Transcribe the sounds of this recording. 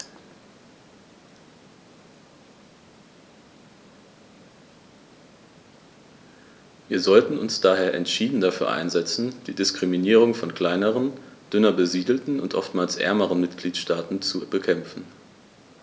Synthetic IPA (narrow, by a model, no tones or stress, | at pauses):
viːɐzɔltn̩ʊ̰nsd̥aːɦeːɐʔɛntʃiːdn̩dafyːɐʔa̰ɪnzɛt͡sn̩d̥iːdɪskʁ̥iminiːʁ̞ʊŋfɔnkl̥aɪnəʁənd̥ʏnɐbəziːdl̩tn̩ʊntʔɔ̰ftmaːlsʔɛ̰ɐməʁənmɪtɡ̥liːtʃtaːtn̩t͡subəkʰɛmfn̩